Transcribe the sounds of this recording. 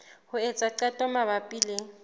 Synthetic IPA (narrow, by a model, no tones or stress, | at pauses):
hʊɛt͡sʼaǃatʼɔmaβapʼiːle